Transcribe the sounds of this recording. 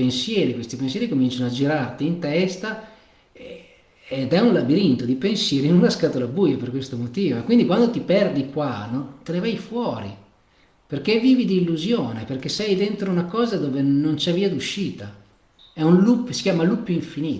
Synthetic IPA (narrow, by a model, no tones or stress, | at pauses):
pensjɛːɾikwest̪ipensjɛːɾikomint͡ʃanoad͡ʒiɾart̪iːnt̪ɛst̪a | ed̪ɛunlabiɾint̪od̪ipensjɛːɾinunlaskat̪olabujoperkwest̪omot̪iːvoekwind̪ikwand̪ot̪ipɛrd̪ikwanot̪enevajfwɔːɾḭ | perk̟evːiːvid̪iːlːuzjoːneperkesɛjd̪ent̪ɾounakɔːzad̪oːvenont͡ʃɛvːiːad̪uʃːiːt̪a | ɛunlupːsi̥kʲjaːmalupːoiɱfiniː